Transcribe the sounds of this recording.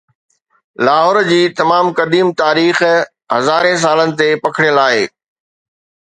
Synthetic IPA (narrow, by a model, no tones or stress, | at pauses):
laːɦɔːɾd͡ʑiːt̪ɐmaːmkɐd̪iːmt̪aːɾiːx | ɦɐzaːɾẽs̬aːlənɪ̆t̪epɐkʰɪɽjəlaːeː